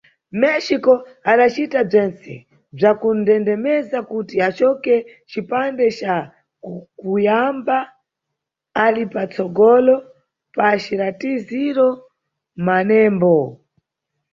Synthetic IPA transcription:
mɛʃikɔ | aɗat͡ʃitab͡ʐɛnt͡sɛ̰ | b͡ʐakundɛndɛmɛzakutiat͡ʃɔkɛ | t͡ʃipandɛt͡ʃa | kujamba | alipat͡sɔɡɔlɔ | paʃiɾatiziɾɔ | manɛːmbɔ

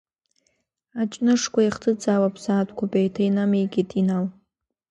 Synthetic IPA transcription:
at͡ʃʼnɨʂkʷʰaiχtʰɨd͡zaːwapʰsaːtʷʰʼkʷʰapʼejtʰaijnamijɡʲitʰʼinaw

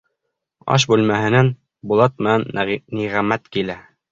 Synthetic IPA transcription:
ɑ̰ʃ̬bʉlmæhɘ̆næn | bulˠɑt̪̚mɘ̆nænːiʁæmæt̪kilæ

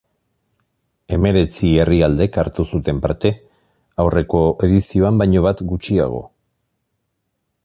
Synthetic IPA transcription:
e̞me̞ɾe̞t͡sie̞riald̪e̞kaɾt̪usut̪e̞mpa̰ɾt̪e̞ | awre̞ko̞e̞ðisio̞ambajɲo̞βat̪ɡut͡ʃia̰ɣ̞o̞̰

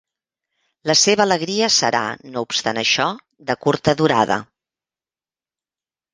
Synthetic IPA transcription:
ləseβələɣɾiəsə̰ɾa̰noupst̪anəʃɔ | ðəkuɾt̪əðuɾaðə̰

